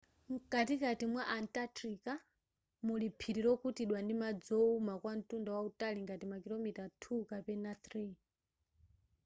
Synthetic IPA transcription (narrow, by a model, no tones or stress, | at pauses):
ŋ̩katikatimwaʔantʼatɾika | mulipʰiɾiɾɔkʰutiɗwandimad͡zɔumakwan̩tundawautaliŋɡatimakilɔmitatʰukapɛnat̪ɾi